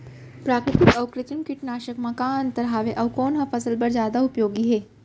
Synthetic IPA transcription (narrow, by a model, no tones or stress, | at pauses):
pɾaːkɾɪt̪ikɐʋkɾɪt̪imkiʈnaːʃəkmãkaːnt̪ɐɾɦaːʋeʔɐwkoːnɦɐ̃fɐsəlpɐɾzjaːd̪aupjoːɡiɦeː